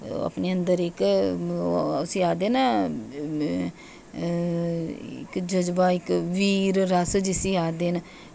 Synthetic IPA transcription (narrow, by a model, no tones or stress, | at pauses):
ə̰pneːənd̪əɾɪk | əsiːaːd̪eːna | ɪ̰kd͡ʒəd͡ʒbaːɪkʋiːɾɾəsd͡ʒɪsiːaːd̪eːn